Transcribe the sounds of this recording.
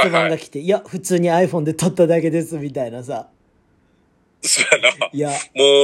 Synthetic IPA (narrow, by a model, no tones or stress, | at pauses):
obãŋɡakʲi̥t̪e̞iaɸɯ̟t͡sɨːɲ̟iaiɸõ̞nd̪e̞t̪ot̪ːad̪ake̞d̪e̞sɨmʲit̪ainasa | soanaiamo